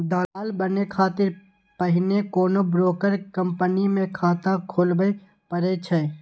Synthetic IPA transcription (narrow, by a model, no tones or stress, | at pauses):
d̪aːaːlbənekʰaːt̪ɪɾ | pəɦɪnekoːnobɾoːkəɾkə̃mpənimẽkʰaːt̪ãkʰoːlbəe | pəɾeːt͡ʃʰə